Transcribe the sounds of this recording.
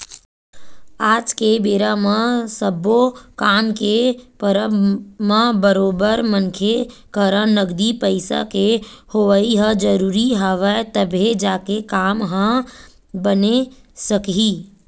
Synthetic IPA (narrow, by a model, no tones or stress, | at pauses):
aːd͡ʒkebeːɾamə̃səbokaːmkepəɾmãbəɾoːbəɾmənkʰekəɾə̃nəɡd̪ipəɪsa̰kehoʋəiɦə̃d͡ʒəɾuːɾiɦaʋət̪əbʱed͡ʒaːkekaːmɦə̃ | bənesəkɦiː